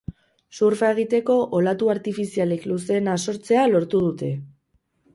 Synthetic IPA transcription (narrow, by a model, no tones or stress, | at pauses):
suɾfaeɣ̞it̪e̞ko̞ʔolat̪uaɾt̪ifisialekluse̞ːnaso̞ɾt͡se̞alo̞ɾt̪uð̞ut̪e̞